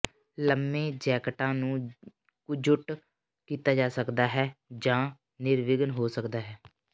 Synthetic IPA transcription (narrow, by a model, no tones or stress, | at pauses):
ləmːẽːd͡ʒɛːkəʈãːnũː | kʊd͡ʒʊʈ | kiːt̪aːd͡ʒaːsəkd̪aːɦɛːd͡ʒãː | nɪɾʋɪɡənɦoːsəkd̪aːɦɛː